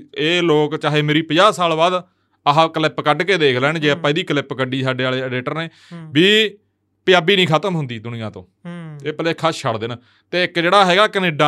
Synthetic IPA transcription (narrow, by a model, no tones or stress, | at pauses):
eːloːkt͡ʃaːɦeːmeːɾiːpəd͡ʒaːsaːlbaːd̪ | əɦãkəlɛːpəkəɖkeːd̪eːkʰlɛːɳd͡ʒeːapːãːiːd̪iːkəlepkəɖiːsaːɖeːaːleːɖeːʈəɾneː | biː | pɪjaːbiːnĩːkʰət̪əmɦʊnd̪iːd̪ʊnɪjãːt̪õ̰ːeːpəleːkʰəst͡ʃʰəɽd̪ɪn | t̪eːɪkd͡ʒeːɽaːɦɛːɡaːkəneːɖãː